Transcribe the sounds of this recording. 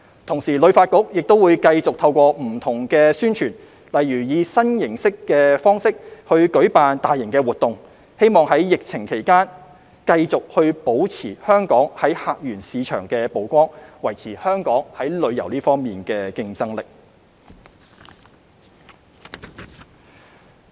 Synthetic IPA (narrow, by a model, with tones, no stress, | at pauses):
t̪ʰʊ˨˩ŋsiː˨˩lɵ˨˧ɥfaː˧t̚kʊ˨˥k̚jɪ˨k̚t̪o˥wuː˨˧jkɐ˧jt͡sʊ˨k̚t̪ʰɐ˧wkʷɔː˧m̩˨˩t̪ʰʊ˨˩ŋkɛː˧syː˥nt͡ʃʰyː˨˩n | lɐ˨jɥyː˨˩jiː˨˧sɐ˥njɪ˨˩ŋsɪ˥kːɛː˧fɔː˥ŋsɪ˥k̚hɵ˧ɥkɵ˨˥ɥpaː˧nt̪aː˨jːɪ˨˩ŋkɛː˧wuː˨t̚t̪ʊ˨ŋ | he˥jmɔː˨ŋɦɐ˨˥jːɪ˨k̚t͡sʰɪ˨˩ŋkʰe˨˩jkaː˥n | kɐ˧jt͡sʊ˨k̚hɵ˧ɥpo˨˥wt͡sʰḭː˨˩hœː˥ŋkɔː˨˥ŋhɐ˨˥jhaː˨˧k̚jyː˨˩nsiː˨˧t͡ʃʰœ̰ː˨˩ŋkɛː˧po˨˥wkʷɔː˥ŋwɐ˨˩jt͡sʰiː˨˩hœː˥ŋkɔː˨˥ŋhɐ˨˥jlɵ˨˧ɥjɐ̰˨˩wliː˥fɔː˥ŋmiː˨nkɛː˧kɪ˧ŋt͡sɐ˥ŋlɪ˨k̚